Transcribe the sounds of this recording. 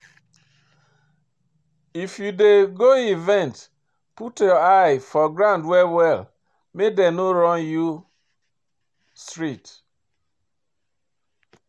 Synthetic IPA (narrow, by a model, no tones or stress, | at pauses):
ifjudeɡoivɛ̃nt | putjɔajfɔɡɾãʊ̃ndwɛwɛl | medenoɾɔ̃nju | stɹit